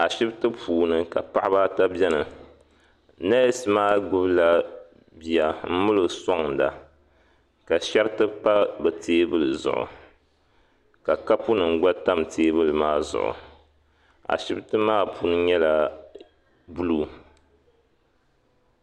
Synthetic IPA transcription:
a˨ʃɪ˦btɨ˦pʰuː˨nɨ˨ka˨pa˦ʔba˦ta˦bɛ˦nɨ˨ | na˦jsɨ˦maː˦ɡʊ˦bla˦ | bi˨a˨m̩˦mʊ˦lɨ˨ɡsɔ˦ŋda̰˨ | ka˨ʃɛ˦ɾtɨ˦pa˦bɨ˨tʰeː˦bɨ˦lɨ˨zʊ̰˨ʔʊ̰˨ | ka˨ka˦pu˦nɨ˨ŋ̩˦˨ɡ͡ba˦ta˦mteː˦bɨ˦lɨ˨maː˦zʊ̰˨ʔʊ̰˨ | a̰˨ʃɪ˦btɨ˦maː˦puː˨nɨ˦ɲɛ˦la˨ | bu˦lu˦

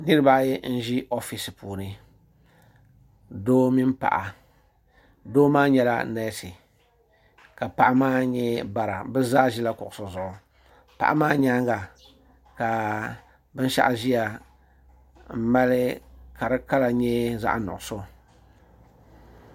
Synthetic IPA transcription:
nɨ˦ɾɨ˦ba˦jɛ˦n̩˦ʒi˦ʔo˦fi˨si˨puː˨nɨ˨ | doː˦mi˦mpa̰˨ʔa˨ | doː˦maː˦ɲɛ˦la̰˦na˦si˨ | ka˨pa˨ʔa˦maː˦ɲɛ˦ba˨ɾa˨bɛ˦zaː˦ʒi˦la˦kʊ̰˨ʔʊ˨so˨zʊ˨ʔʊ˨ | pa̰˨ʔa˦maː˦ɲa˦ŋɡa˨ | ka˨ | bɨ˦n˦ʃa̰˦ʔa˨ʒi˦ja˨ | m̩˦ma˦lɪ˦ka˨ɾɨ˦ka˦la˨ɲɛ˦za̰˦ʔa˦nʊ̰˨ʔʊ˨so˦˨

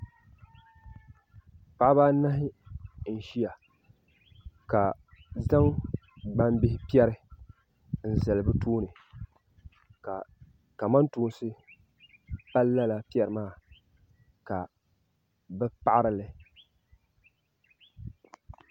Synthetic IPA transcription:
pa˨ʔa˦baː˦na˦ɦɪ˦n̩˨ʃi˦a˨ | ka˨ | za˦ŋ | ɡ͡ba˦mbɪ˦hɪ˦pi˦ɛ˦ɾɪ˦ | n̩˨zɛ˨lbɨ˦tuː˦nɨ˨ | a˨ | ka˨ma˦ntuː˦n˦sɨ˦ | pa˦lːa˦la˨pi˦ɛ˨ɾɨ˨maː˦˨ | ka˨ | bɛ˦pa˦ʔa˦ɾɨ˦lɨ˨

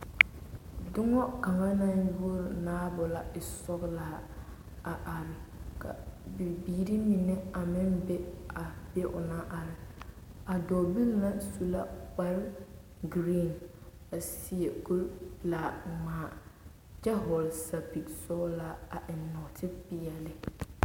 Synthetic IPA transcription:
dʊ˦ŋɔ˦ka˨ŋa˦na˦jʊ˦˨naː˦bʊ˨la˨ɪ˨sɔ˦ɣlaː˦ | a˨ʔa˨ɾɪ˨kʰa̰˨bi˨biː˦ɾi˦mi˨nɪ˦a˨mɪ˦nbɛ˦a˨be˦ʔʊ˨na˦ʔa˨ɾɪ˨ | a˨dɔ˨bi˦lna˦su˨la˦k͡pa˦ɾ | ɡɾi˦˨n | a˨sɪ˦e˨ku˦ɾla˨ŋ͡maː˨ | d͡ʒɛ˦ɦɔ˨lsa˨pi˨tsɔ˦ɣlaː˦a˨ʔɪ˨nːɔ˨tʰɪ˦bɪ˨ɛ˨lɪ˦

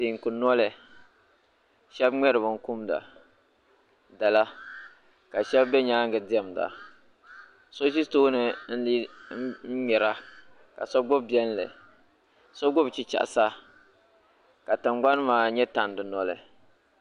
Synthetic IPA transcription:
ti˨ŋ̩˨ku˨nɔ˦lɨ˨ | ʃɛ˦bŋ͡mɛ˦ɾɨ˨bɨ˨ŋ̩˦ku˦mda̰˨ | da˨la˦ | ka˨ʃɛ˦bːɛ˦ɲaː˦ŋɡɨ˨dɪ˦ɛ˨m˨da̰˨ | so˦s̬i˦toː˦nɨ˨n̩˦li˦n̩˦mɛ˨ɾa˦ | ka̰˨sɔ˦ɡ͡bʊ˦bbɛ˦n˦lɨ̰˨ | sɔ˦ɡʊ˦bt͡ʃi˦t͡ʃa̰˨ʔsa˦ | ka˨tɨ˨mɡ͡ba˦n˦maː˨ɲɛ˦ta˨n˨dɨ˨nɔ˦lɨ̰˨

